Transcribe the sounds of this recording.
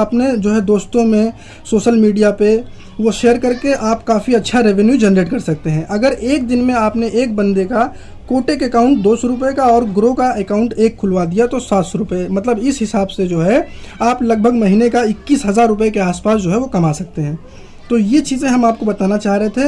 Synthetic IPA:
aːpned͡ʒoːɦɛd̪oːst̪õmẽ | soːʃəlmiːɖijape | ʋoʃeːəɾkɐɾkeʔaːpkaːfiɐtːʃʰaɾeʋɛnjud͡ʒɛnɾeːʈkɐɾsɐk̚t̪eɦɛ̃ʔɐɡəɾeːkd̪ɪnmẽaːpneʔeːk̚bɐ̃nd̪eka | koːʈekekaːʊ̃ɳʈ̚d̪oːsɔɾʊp̬ekaɔːɾɡɾokaekaːʊ̃ɳʈeːkʰːʊlʋad̪ijat̪osaːt̪sɔɾʊpəemɐt̪ləbɪsɦɪsaːbsed͡ʒoːɦɛaːplɐɡ̚bʱəɡmɐɦiːnekaɪkːiːsɦɐzaːɾːʊpekeaːspaːsd͡ʒoːɦɛʋokɐmaːsɐk̚t̪eɦɛ̃ː | t̪ojet͡ʃiːzẽɦɐmaːp̚kobɐt̪aːnat͡ʃaːɦɾeɦet̪ʰe

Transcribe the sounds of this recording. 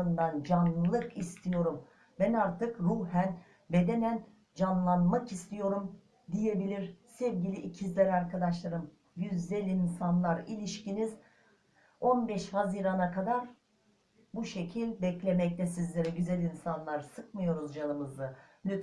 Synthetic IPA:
ɯnband͡ʒanɯlˠɯkist̪ʰijo̞ɾum | bɛnaɾt̪ɯkɾuɦæn | be̞d̪e̞næn | d͡ʒanlˠanmakist̪ʰijo̞ɾum | d̪ije̞bilʲiɾsɛvɟilʲiʔːcʰizlʲɛɾaɾkʰad̪aʃlˠaɾɯm | jyzːɛlʲinsanlˠaɾilʲiʃciniz | o̞nbɛʃhaziːɾanakʰad̪aɾ | buʃe̞cʰilʲbɛclʲe̞mɛclʲɛsizlʲe̞ɾɛɟyzɛlʲinsanlˠaɾsɯkmɯjo̞ɾuzd͡ʒanˠɯmɯzɯnyt̪

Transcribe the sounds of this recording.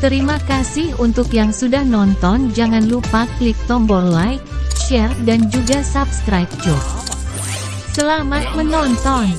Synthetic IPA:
t̪əɾimakasɪhunt̪ʊkjaŋsudahnɔnt̪ɔnd͡ʒaŋanlupaklik̚t̪ɔmbɔrlajk̚ʃɛrdand͡ʒuɡasap̚skɾajp̚d͡ʒɔt̚ | səlamat̪̚mənɔnt̪ɔn

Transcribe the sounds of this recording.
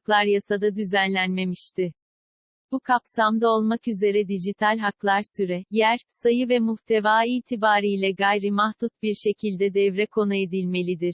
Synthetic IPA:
klˠaɾjasad̪ad̪yzænlʲænme̞miʃt̪ʰɪ | b̥ukʰapsamd̪ao̞lˠmakyze̞ɾɛd̪iʒit̪ʰalʲɦaklˠaɾsyɾɛjæɾsajɯvɛmuht̪ʰe̞vaːiːt̪ʰibaːɾijlʲɛɡajɾimahd̪ut̪̚biɾʃe̞cʰilʲd̪ɛd̪ɛvɾɛkʰo̞nue̞d̪ilʲme̞lʲid̪iɾ̥

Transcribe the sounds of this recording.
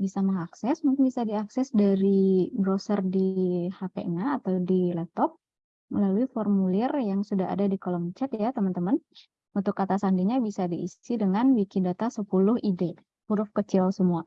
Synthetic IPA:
bisamaŋaksɛsmuŋkɪnbisadiaksɛsdaɾibɾosərdihapḛʔɲaːt̪awdilɛt̪ɔp̚ | məlaluifɔrmulɪrjaŋsudaɦa̰dadikolɔmt͡ʃɛt̪jat̪əmənt̪əmən | unt̪ʊkːat̪asandiɲabisadiisidəŋanwikidat̪asəpulʊɦide | puɾʊfkət͡ʃɪlsəmua

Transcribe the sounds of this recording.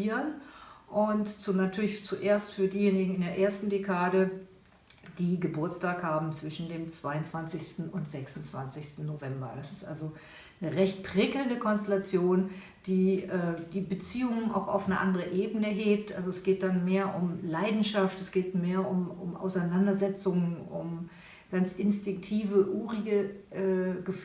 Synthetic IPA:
iːʁənʔʊntt͡sunatʰyːɐlɪçt͡suʔeːɐstfyːɐdiːjeːnɪɡŋ̩ɪndeːɐʔeːɐstn̩dekʰaːdə | d̥iːɡəbʊɐt͡staːkhaːbm̩t͡sv̥ɪʃn̩deːmt͡sv̥aɪʊnt͡sv̥ant͡sɪçstn̩ʊntz̥ɛksnt͡sv̥a̰nt͡sɪçstn̩novɛmbɐ̰d̥asɪ̥stʔa̰lzo | nəʁɛçt̚pʁ̥ɪkl̩ndəkʰɔnstelat͡sjoːn | d̥iːʔɛːdiːbət͡siːʊŋənʔa̰ʊxa̰ʊfnəʔa̰ndəʁəʔeːbənəɦeːp̚tʔa̰lzoɛsɡ̥eːt̚d̥anmeːɐʔʊmlaɪdn̩ʃaftɛsɡ̥eːtmeːɐʔʊmʊ̰mʔa̰ʊsaɪnandɐzɛt͡sʊŋənʊ̰m | ɡ̥ant͡sʔɪnstɪŋk̚tʰiːvəʔuːʁiɡəʔɛɡ̥əf

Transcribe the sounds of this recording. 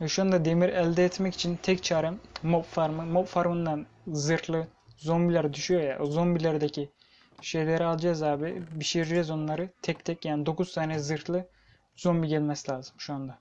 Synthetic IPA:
ɛʃuand̪ad̪e̞miɾɛlʲd̪ɛːt̪mɛci̥t͡ʃʰint̪ʰɛct͡ʃʰaːɾɛmopfaɾmɯmopfaɾmɯnd̪an | zɯɾt̪lˠɯ | zonbilʲæɾd̪yʃyjo̞ja̰ozombilʲeɾd̪ecʰi | ʃe̞jlʲeɾialˠɯd͡ʒazaːbibiʃiɾɾɛzo̞nlˠaɾɯt̪ʰɛc̚t̪ʰɛcjaːnid̪o̞kuz̥t̪ʰaːnɛzɯɾt̪lˠɯ | z̥o̞mbiɟɛlʲmɛsilʲaːzɯmʃuand̪a

